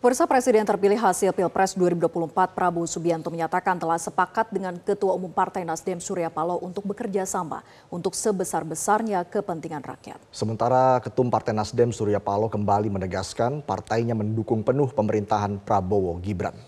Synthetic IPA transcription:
pursapɾesidɛnt̪ərpilɪɦɦasɪlpilpɾɛsduaɾibuduapuluhəmpat̪̚pɾabosubiant̪uməɲat̪akant̪əlahsəpakat̪̚dəŋankət̪uaumumpart̪ajnasdɛmsuɾiapaloʔunt̪ʊk̚bəkərd͡ʒasama̰ | unt̪ʊksəbəsarbəsarɲakəpənt̪iŋanra̰kja̰t̪̚səmənt̪aɾakət̪umpart̪ajnasdɛmsuɾiapalokəmbalimənəɡaskanpa̰rt̪ajɲaməndukʊŋpənʊhpəməɾint̪aɦanpɾabowoɡibɾa̰n

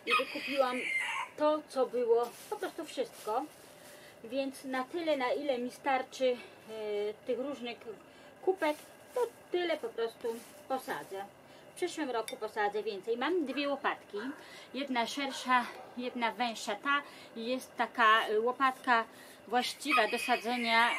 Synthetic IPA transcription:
ivɘkupʲiwamt̪ɔt̪sɔbɘwɔpɔpɾɔst̪ufʂɘst̪kɔ | vʲjɛnt̪snat̪ɘlɛnailɛmʲist̪aɾt͡ʂɘ | t̪ɘxɾuʐnɘx | kupɛk | t̪ɔt̪ɘlɛpɔpɾɔst̪u | pɔsa̰d̪zɛ | fpʂɘʂwɘmɾɔkupɔsad̪zɛvʲjɛnt̪sɛjmamd̪vʲjɛwɔpat̪kʲi | jɛd̪naʂɛɾʂajɛd̪navɛ̃w̃ʂat̪a | jɛst̪ːakawɔpat̪ka | vwaɕt͡ɕivad̪ɔsad̪zɛɲa

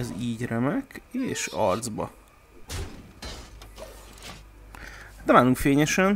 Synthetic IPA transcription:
ɛziːɟrɛmɛkeːʃɒ̰rd̪zbɒ̰ | ɛnaːluŋkfeːɲɛʃɛn

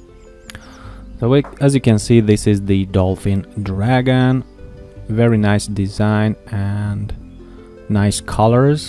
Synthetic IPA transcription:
soʊɨzjɨkɨ̃nsiðɪsɪzðɨdɔlˠfɪ̃ndɹæɡɨ̃n | vɛɹinaɪsd̥ɨzãɪ̃nɨ̃nː | aɪskʰʌlˠə˞z̥

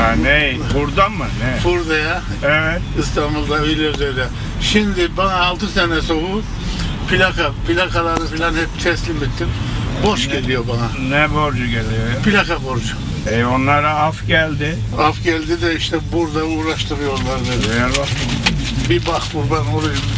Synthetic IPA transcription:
ane | buɾd̪anmɯnɛfuɾd̪aja | ɛvɛt̪ist̪ʰambulˠd̪avilɛɾd̪ɛd̪ɛ | ʃind̪ibanaːlˠt̪ʰɯsɛnɛsohu | pʰilʲakapilakʰalˠaɾɯfilanhɛp̚t̪ʰɛslʲimit̪ʰːiɾboʃɟelijobananɛboɾd͡ʒuɡelʲijojpʰilʲakʰaboɾd͡ʒu | ɛjo̞nlːˠaɾaafɟælʲd̪ɪ | afɟælʲd̪id̪ɛiʃt̪ʰɛbuɾd̪auːɾaʃt̪ʰɯɾɯjoonːˠaɾd̪ɛdɛjɛba | bibaxbuɾbanoɾujum

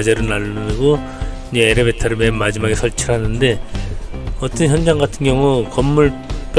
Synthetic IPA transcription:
d͡ʑeɾɯɭnaɭːɯnɡo | iɲd͡ʑeːɾeβetʰaɾɯmemːad͡ʑimaɡe̞sʰʌɭt͡ɕʰiɾɦanɯnde̞ | ʌt͈ʌnçjʌnd͡ʑaŋɡatʰɯnɡjʌŋukʌmːuɭp͈

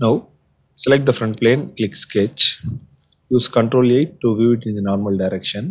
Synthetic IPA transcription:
naʊ | sɛlɛk̚ʈ̚d̪ɐfɾɐ̃ɳʈ̚plẽːnklɪksket͡ʃ | juːskɐ̃ɳʈɾoːleɪʈːuʋjuːʋɪʈɪ̃nd̪ənɔːɾmɐlɖaɪɾɛkʃə̃n

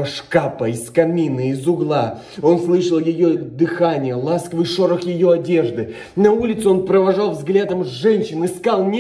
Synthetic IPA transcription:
əʂkapəɪskɐmʲinɨɪzʊɡlˠa | o̞nslˠɨʂəlˠjɪjod̪ɨxanʲɪjəlˠaskvɨʂoɾəxjɪjo̞ɐdʲe̞ʐd̪ɨ | nɐulʲɪt̪sʊo̞npɾəvɐʐɑlˠvzɡlʲad̪əmzʐɛnʲɕɪnɪskalˠnʲ

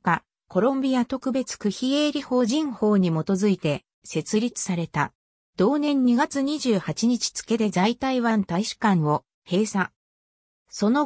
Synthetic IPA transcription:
ka | ko̞ɾõ̞mbʲijat̪o̞kɯ̟be̞t͡sɨ̥kɯ̟çie̞ːɾʲiho̞ːʑĩɰ̃ho̞ːɲ̟imo̞t̪o̞zɨit̪e̞ | se̞t͡sɨɾʲit͡sɨ̥saɾe̞t̪a | d̪̥o̞ːnẽ̞ɲ̟ɲːiɡat͡sɨɲ̟iʑɨːhat͡ɕiɲ̟it͡ɕi̥t͡sɨ̥ke̞d̪e̞zait̪aiβãnt̪aiɕɨ̥kãɰ̃o̞ | he̞ːsa | so̞no

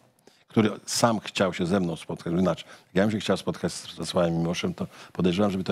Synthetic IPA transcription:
kt̪uɾɘsamxt͡ɕawɕɛzɛmnɔ̃w̃spɔt̪kad͡ʑnat͡ʂjakjamɕ̬ɛxt͡ɕawspɔt̪kat͡ɕszɛswajɛmːʲiwɔʂɛmt̪ɔpɔd̪ɛjʐɛwamʐɛbɘt̪

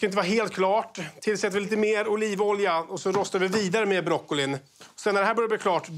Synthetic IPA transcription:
kaɾɪnəvɑːɾaɦeːlt̪̚kʰlɑːʈt̪ʰːɪlsɛt̪ːəɾɪliːt̪əmeːɾʊliːvɔljaɔsɔɾɔst̪avɪviːd̪aɾəmeːbɾɔkːʊlɪn | ɔsɛnːæɖɛɦæːbœɾjavɪkʰlɑːʈ

